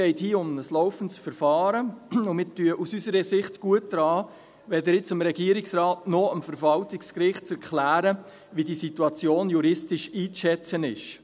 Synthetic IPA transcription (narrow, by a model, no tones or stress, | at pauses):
ɛɪthiːʊmnəslɔwfəntsfəɾfɑːɾəʊmɪːtyəʔusysəɾəsɪχtɡ̥uət̚d̥ɾɑː | ʋɛd̪əɾjɪt͡səmɾɛɡiəɾɪksɾɑːtnɔəmfəɾvɑltɪkskɾɪχt̚t͡sɛɾklæːɾə | ʋidisituɑt͡sjoːnjuɾɪstɪʃiːt͡sʃɛt͡sənɪʃ